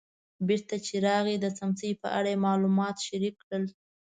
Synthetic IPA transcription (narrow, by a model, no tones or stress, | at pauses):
biɾt̪at͡ʃeɾɑɣed̪əsamsəjpə̰ʔaɽajemɑlumɑt̪ʃaɾikːɽəl